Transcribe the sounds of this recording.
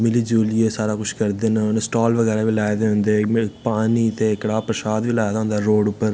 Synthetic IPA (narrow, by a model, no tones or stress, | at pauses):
mɪlid͡ʒuːlijeːsaːɾaːkʊʃkɐɾd̪eːnnsʈaːlʋəɣɛːɾaːʋilaːjd̪eɦʊ̃nd̪eːpaːnit̪ekɽaːpɾɐʃaːd̪ʋiːlaːd̪aɦʊnd̪aɾoːɖʊpːəɾ